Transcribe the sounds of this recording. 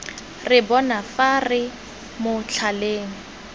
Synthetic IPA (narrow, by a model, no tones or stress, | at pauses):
rɪbɔnafarɪ | mʊt͡ɬʰaleːŋ̩